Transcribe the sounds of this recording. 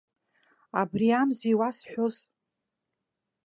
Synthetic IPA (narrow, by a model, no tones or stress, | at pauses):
abriamziwasħʷᶣʊz